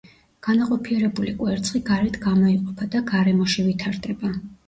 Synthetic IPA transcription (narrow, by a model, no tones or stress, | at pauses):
ɡ̥anaqʼɔpʰiɛɾɛbulikʼwɛɾt̪sʼχiɡaɾɛt̪ʰɡamɔiqʼɔpʰad̪aɡaɾɛmɔʃivit̪ʰaɾd̪ɛba